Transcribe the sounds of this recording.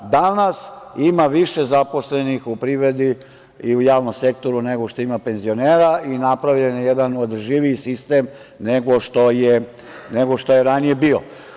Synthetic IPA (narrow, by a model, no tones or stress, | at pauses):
d̪anasimaʋiʃe̞zapo̞sle̞nixupɾiʋɾe̞d̪i | iujaːʋnomse̞k̚t̪o̞ɾune̞ɡoʃt̪o̞imape̞nzio̞neːɾainapɾaʋʎenjed̪anod̪ʒiʋiisist̪e̞m | neɡo̞ʃt̪o̞je | neɡo̞ʃt̪o̞je̞ɾanije̞bio